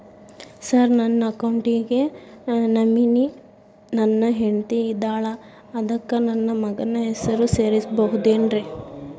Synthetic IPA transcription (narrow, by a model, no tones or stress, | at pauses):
sɐɾnɐnːɐːkɐwɳʈiɡe̞nɐmini | nɐnːɐɦeɳt̪iːd̪aːɭɐː | d̪ɐkːɐnɐnːɐmɐɡɐnɐɦɛsɐɾuse̞ːɾisbɐɦud̪eːnɾe